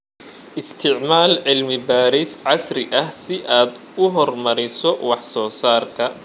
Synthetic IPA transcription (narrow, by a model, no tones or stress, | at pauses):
ʔɪst̪ʰɪʕmaːlʕɪlmɪbaːɾɪsʕɑsrɪʔɐhsɪʔaːd̪ | ʊɦɔrmɐɾɪsɔwɑħsɔːsaːrk̪ʰɐ